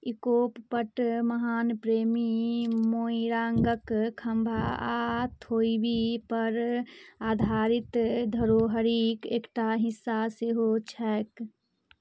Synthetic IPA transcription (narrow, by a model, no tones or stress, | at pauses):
ikoːppəʈməɦaːnpɾeːmimoːiɾaːŋɡəkkʰəmbʱa̰at̪ʰoːibipəɾaːd̪ʱaːɾɪt̪d̪ʱəɾoːɦəɾikeːkʈaɦɪsːaseɦot͡ʃʰɛːk